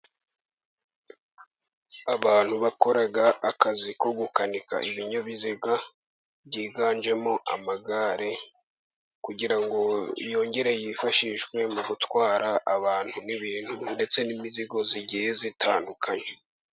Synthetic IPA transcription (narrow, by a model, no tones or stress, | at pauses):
aβaːn̥huβako̞ɾaɡaːkazikoɡukanika̰ʔiβiɲaβiziɡa | βɟiːɡaːnd͡ʒe̞mo̞ʔa̰maɡaːɾe | kuɟiɾaŋɡo̞ijo̞ːɲɟe̞ɾejifaʃiʃɡwe̞muɡutwaːɾaʔːβaːn̥huniβiːn̥hunde̞t͡se̞nimiziɡo̞ziɟihezitʰa̰ːndukʰaɲe